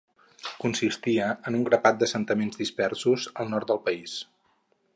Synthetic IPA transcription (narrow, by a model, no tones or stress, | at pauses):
kunsist̪iəːnuŋɡɾəpat̪̚d̪əsənt̪əmenzdispɛrsuzəlˠnɔrt̪̚d̪əlˠpəis